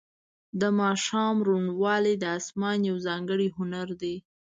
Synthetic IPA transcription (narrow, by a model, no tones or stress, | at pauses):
d̪əmɑʃɑmɾuɳwɑled̪əasmɑnjawzɑŋɡəɽiɦʊnaɾd̪e